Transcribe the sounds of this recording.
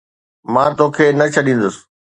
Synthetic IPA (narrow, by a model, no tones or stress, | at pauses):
mãːt̪oːkʰeːnɐt͡ɕʰɐɗĩːnd̪ʊsɪ̥̆